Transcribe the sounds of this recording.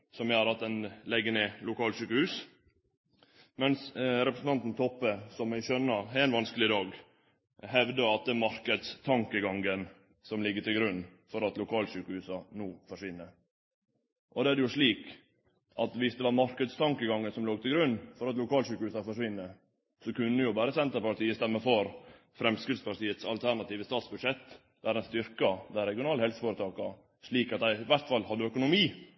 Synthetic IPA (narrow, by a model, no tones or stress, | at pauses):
sɔmjæɑɾɑt̪d̪ɛnlɛɡːəneːlʊkʰɑːlʂyːkəhʉːs | mɛnsɾɛpɾəsn̩t̪ɑnt̪n̩t̪ʰɔpːəsɔmjæɪçœnːəɾɪnʋɑnskəlɪd̪ɑːɡ | hɛʋd̪əɑt̪̚d̪ɛæːɾmɑɾkəd̪st̪ʰɑŋkəɡɑŋən | sɔmlɪɡːət̪ɪlɡɾʉnːfɔɾɑt̪lʊkʰɑːlʂyːkəhʉːsɑnuːfɔʂʋɪnːə | ʔɔd̪ɛæɖɛjʊʂɭiːk | ʔɑt̪ʋɪsd̪ɛʋɑɾmɑɾkəd̪st̪ʰɑŋkəɡɑŋːənsɔmloːɡ̚t̪ʰɪlɡɾʉnːfɔɾɑt̪lʊkʰɑːlʂʉːkəʉːsɑfɔʂʋɪnːə | sɔkʉnːəjʊbæːɾəsɛnt̪əɾpɑʈ̪iːəst̪ɛmːəfɔɾ | fɾɛmskɾɪd̪spʰɑɾʈ̪iːət̪sɑ̰lt̪ʰæɾɳɑt̪iːʋəst̪ɑːt̪sbʉd̪ʂɛt̪ː | d̪̥ɛææɾɛnst̪ʏɾkɑd̪æɪɾɛɡɪʊnɑːləhɛlsəfoːɾət̪ʰɑːkɑ | ʂɭiːkɑt̪̚d̪æɪɪʋæɾt̪fɑlːhɑd̪ːəœkʊnʊmiː